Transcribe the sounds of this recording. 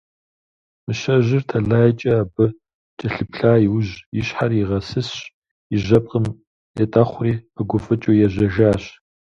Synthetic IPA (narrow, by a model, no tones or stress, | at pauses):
mɨɕɐʑɪrtʰɐɮaːjt͡ʃʼɐːbɨ | t͡ʃʼɐɬɨpɬaːjwʊʒjɪɕħariʁɐsɨsɕ | iʒɐp̚ʼqʼəm | jɛtʼɐχʷriːɨɡʷʊfɨt͡ʃʼoːjɛʑɐʒaːɕ